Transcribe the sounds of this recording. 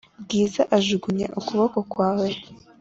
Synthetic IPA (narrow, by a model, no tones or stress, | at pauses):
bɡiːzaʔaʒuɡuɲḛʔukuβoko̞kwaːwe